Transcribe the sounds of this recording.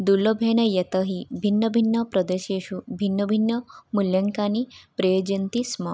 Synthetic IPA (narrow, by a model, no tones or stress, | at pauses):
d̪ulobʱenɐjet̪əɦibʱinːɐbʱinːɐpɾɐd̪eɕeɕubʱinːɐbʱinːəmuljɐŋkanipɾejod͡ʒɐnt̪isma